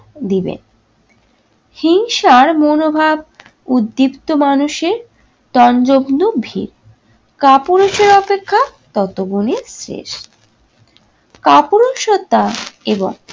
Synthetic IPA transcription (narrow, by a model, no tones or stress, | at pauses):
d̪ibḛn | hiŋʃaɾmonobʱab | ud̪ːipt̪omanuʃeɾ | t̪ɔnd͡ʑobnobʱḭɾ | kapuɾoʃeɾɔpekʰːat̪ɔt̪oɡunesɾḛʃ | kapuɾoʃot̪ːaebo̰ŋ